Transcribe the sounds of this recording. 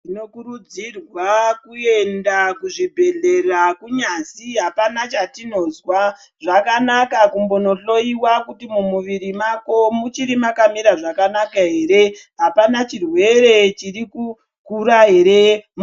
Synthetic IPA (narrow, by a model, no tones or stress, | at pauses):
ino̞kuɾud͡zirwakue̞ndakuʐibʱe̞ɮe̞rakuɲaziɦapanat͡ʃatino̞zwa | ʐakanakakumbo̞no̞ɬo̞iwakutimumuʋiɾimako̞mut͡ʃiɾimakamiɾaʐakanakaɦe̞ːɾe̞ɦapanat͡ʃirwe̞ɾe̞t͡ʃiriku | kuɾaɦe̞ɾem